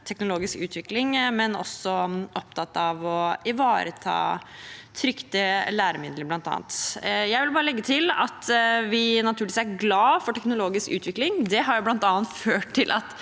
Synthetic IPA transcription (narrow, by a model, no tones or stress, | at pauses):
t̪ʰɛknʊloːɡɪskʉ̰ːt̪ʰʋɪklɪŋmɛnɔ̰sːɔʔɔp̚t̪ʰɑt̪ːɑʋɔɪʋɑːɾət̪ʰɑ̰ːt̪ʰɾʏkt̪əlæːɾəmɪd̪ləɾblɑnt̪ʰɑ̰ːnt̪jæɪʋɪlbɑːɾəlɛɡːət̪ʰɪlɑ̰t̪ʋɪnɑt̪ʰʉːɭʋiːsæɾɡlɑːfɔʈʰɛknʊloːɡɪskʉ̰ːt̪ʋɪklɪŋd̪ɛɦɑɾjæblɑnt̪ɑːnt̪føːʈt̪ːɪlʔɑ̰t̪